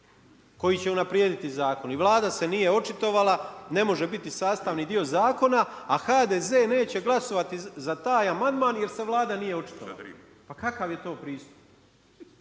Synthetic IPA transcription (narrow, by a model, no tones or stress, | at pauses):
ko̞jit͡ɕe̞unapɾjeːd̪it̪izaːko̞niʋlˠaːd̪ase̞nije̞o̞t͡ʃit̪o̞ʋalˠane̞mo̞ʒe̞bit̪isaːst̪aʋnid̪io̞zaːko̞naːxaːd̪eːze̞ːne̞ːt͡ɕe̞ɡlˠaso̞ʋat̪izat̪aːjamand̪maːnjeɾse̞ʋlˠaːd̪anije̞o̞t͡ʃi̥t̪oʋa | pakakaʋje̞t̪o̞ːpɾiːst̪u̥p̚